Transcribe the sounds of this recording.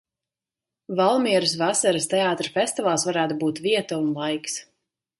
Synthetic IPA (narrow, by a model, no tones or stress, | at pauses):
valˠmiɛɾusvasaɾɨst̪ɛaːt̪ɾafɛsʲt̪ivaːlˠsvaɾæːt̪ubuːt̪viɛt̪aunlˠajks